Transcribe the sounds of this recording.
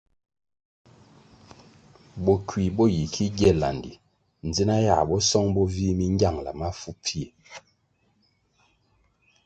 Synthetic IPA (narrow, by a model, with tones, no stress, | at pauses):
bɔ˨kwi˨bɔ˦ji˨kʰi˦ɡɛ˦la̰˨ndḭ˨ | n̩˨d͡zi˦na˦ja̰˦˨bɔ˦sɔ˦ŋbɔ˦vi˦mi˦ŋ˦ɡja˦˨ŋla̰˨ma˦fu˦pi˦e˨